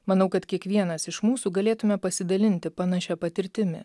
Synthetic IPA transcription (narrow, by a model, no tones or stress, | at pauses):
mɐnɐʊkɐt̪kʲiɛkʋʲiɛnɐsɪʃmuːsuːɡɐlʲeːt̪ʊmʲɛpɐsʲɪd̪ɐlʲɪnʲt̪ʲɪpɐnɐʃʲɛpɐt̪ʲɪɾʲt̪ʲɪmʲɪ̰